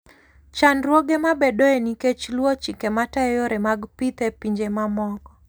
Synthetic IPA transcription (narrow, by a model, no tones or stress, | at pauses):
t͡ʃanɾwoɡemabedoeniket͡ʃlwot͡ʃikematajoɾɛmaɡpit̪epiɲd͡ʒemamɔɡɔ